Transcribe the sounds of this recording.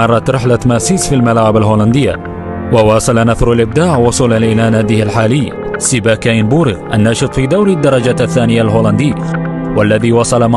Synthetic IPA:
ɑrˤːɑt̪ɾɪħlamasiːsfilmalaːʕɪbalɦoːland̪ɪjːa̰ | wawɑːsˤɑlanaθɾalʔɪb̚d̪aːʕwʊsˤuːlalinaːnaːd̪ɪhalħaːlɪjː | sɪbaːkaɪnbuːɾɪɣʔa̰nːɑːʃɨt̪ˤfiːd̪awɾid̪ːɑɾˤɑd͡ʒaaθːaːnɪjalɦoːland̪iː | walːaðiːwɑsˤɑlama

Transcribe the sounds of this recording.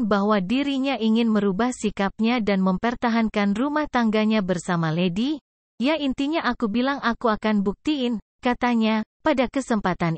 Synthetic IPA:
baɦwadiɾiɲaʔiŋɪnməɾubahsikap̚ɲadanməmpərt̪aɦankanrumaht̪aŋɡaɲabərsamaledi | jaint̪iɲaʔakubilaŋakuakanbuk̚t̪iɪn | kat̪aɲapadakəsəmpat̪an

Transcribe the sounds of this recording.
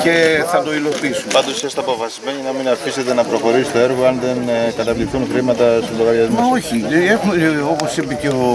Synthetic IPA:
ce̞θɐt̪o̞ilo̞pisumɐnd̪osest̪ɐpo̞fɐsi̥zmeɲinɐminɐfiset̪enɐpɾo̞xo̞ɾisist̪oeɾɣoɐnðenkɐt̪ɐðliθunxɾimɐt̪ɐst̪iloɣɐɾiɐzmmɐo̞çiexumeopo̞sipeceo

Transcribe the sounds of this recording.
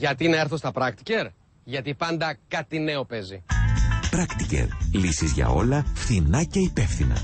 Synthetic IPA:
ʝɐt̪ineɾθost̪ɐpɾɐkt̪i̥ce̞ɾ | ʝɐt̪ipɐnd̪ɐkɐt̪ine̞o̞pe̞zipɾɐkt̪ice̞̰ɾlisizʝɐ̰o̞lɐfθinɐce̞ipe̞fθinɐ̰

